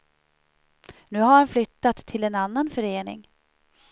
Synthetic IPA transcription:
nʉ̟ːɦaɾhanflʏt̪ːat̪ʰːɪlɛnanːanfœɾeːnɪ̰ŋ

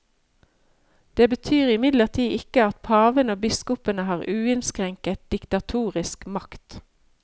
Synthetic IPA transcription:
d̪̥eːbət̪ʰyːʁɪmɪd̪ləʁt̪ʰiːʔɪkəɑt̪̚pʰɑːʋənəoːbɪskʊpənəhɑːʁʔʉːɪnskʁɛŋkət̪̚d̪̥ɪkt̪ɑt̪ʰuːʁɪskmɑkt̪

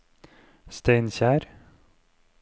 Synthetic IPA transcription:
st̪eɪnçæːɾ

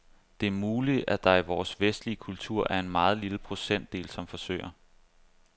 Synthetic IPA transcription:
d̥e̝æɐmuːli̥æd̥ɑ̈iʋɒːsʋesd̥liəkʰult͡sʰuɐ̰ʔæɐe̝nmɑ̈ːð̞̩ˠliləpʰʁo̝sen̰d̥e̝̰ːlsɒ̽mfɒ̽sø̰ɪ̰ɐ

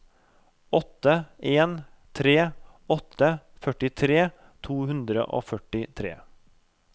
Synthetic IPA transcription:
ɔt̪əʔeːn | t̪ʰɾeː | ɔt̪əfœʈɪt̪ʰɾeː | t̪ʰuːhʉnd̪ɾə̰ʔo̰ːfœʈɪt̪ʰɾḛː

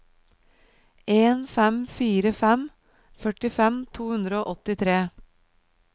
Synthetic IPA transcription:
eːnfɛmfiːɾəfɛm | fœʈɪfɛmt̪ʰuːhʉnd̪ɾəoːʔɔt̪ɪt̪ʰɾeː

